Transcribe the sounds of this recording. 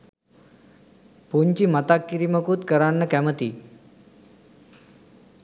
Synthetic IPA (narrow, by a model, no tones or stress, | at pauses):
puɲt͡ɕimət̪akːiɾiməkut̪kəɾanːəkɛmət̪iː